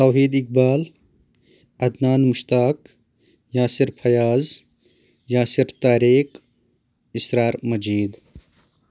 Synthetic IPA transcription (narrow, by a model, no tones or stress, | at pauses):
t̪awɦiːd̪ik̚baːl | ɐd̪naːnmuʃt̪aːk | jaːsiɾpʰɐjaːz | jaːsiɾt̪aːɾiːk | isɾaːɾmɐd͡ʒiːd̪